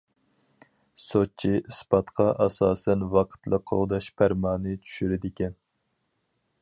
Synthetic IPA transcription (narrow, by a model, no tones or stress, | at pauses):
sot͡ʃʰiʔɨspɑt̪qʰɑʔɑsɑːsɛnvɑqʰə̥t̪lˠəqʰːoʁd̪ɑʃpʰæɾmɑːnɨt͡ʃʰy̥ʃyɾɪd̪ɪkʲɛn